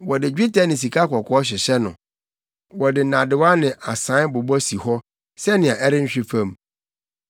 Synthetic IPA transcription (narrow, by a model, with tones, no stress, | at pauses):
wɔ˨dɪ˨d͡ʑᶣi˦tʰa˦nɪ̃˨s̬i˨kʰa˦kʰɔ˨kʰɔ˦ɕ̬ᶣɪ˨ɕɛ˦nʊ̰̃˨ | wɔ˨dɪ˨nã˨dɪ˨wa˦nɪ̃˨ʔa˨sã˨˦bʊ˨bɔ˦si˨hɔ˦ | sɛ˦nɪ̃˨a˨ʔɛ˦ɾɪ˦ɲ̩˦ɕᶣɪ˦fã˦˨m